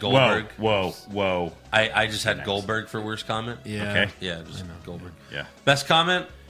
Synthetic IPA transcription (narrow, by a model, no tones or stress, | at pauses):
ɡ̥oʊlobə˞ɡwoʊwoʊ | ʔaɪʔaɪd͡ʒʌst̚hɨdɡoʊlˠbə˞ɡ̥fə˞wɜ˞skʰɑmɛ̃nt̚oʊkʰeɪjæaɪd͡ʒʌsɡoʊlˠbə˞ɡ̥̚jæ̰b̥ɛskʰɑmɛ̃nt̚